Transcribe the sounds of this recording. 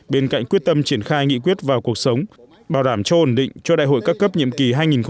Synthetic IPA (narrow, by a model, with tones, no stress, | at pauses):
ɓe˧nka̰˧˨jŋki˦˥t̚t̪ə˧mt͡ɕi˧˩ənxaː˧jŋḭ˧˨k̬wi˦˥ət̚vaː˨˩wku˨˩ək̚sə˨˦wŋ͡m | ɓaː˨˩wɗaː˧˩mt͡ɕɔ˧ʔo˧˩nɗḭ˧˨ŋ̟t͡ɕɔ˧ɗa̰ː˧˨jɦo̰˧˨jkaː˦˥kːə˦˥p̚ɲḭ˧˨əmki˨˩ɦaː˧jŋi˨˩nx